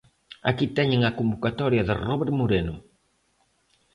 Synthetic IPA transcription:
a̰kit̪ɛɲeŋakombokat̪ɔɾjɐðɪ̰rɔβeɾmoɾenʊ

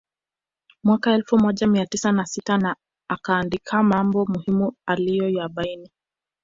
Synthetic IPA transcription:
mwakaɛlfumɔʄamiatisanasitana | akaːndikʰamambɔmuhimualijɔjaɓaini

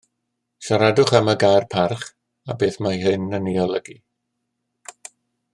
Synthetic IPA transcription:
ʃaɾadʊχamaɡajrpʰarχ | a̰beːθmajɦɨnəniɔlˠəɡi

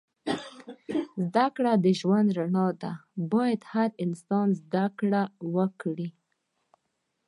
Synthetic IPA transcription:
zd̪akɽad̪əʒwand̪ɾaɳɑd̪abɑjad̪haɾɪnst̪ɑnzd̪akɽawəkɽi

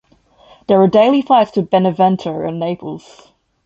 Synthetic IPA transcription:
ðəɹədeɪlˠiflaɪtstʰəbɛnəvɛ̃ntʰə˞ə̰̃nːeɪpʰəlˠz̥

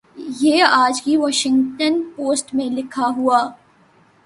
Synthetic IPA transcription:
jeːaːd͡ʒkiʋɔːʃɪ̃ŋɡʈənpoːsʈmẽlɪkʰaɦuaː

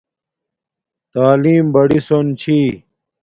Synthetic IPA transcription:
t̪aːliːmbɐɽisont͡ɕʰi

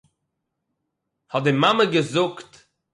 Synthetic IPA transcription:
hɔt̚dɪmaməɡəzʊkt

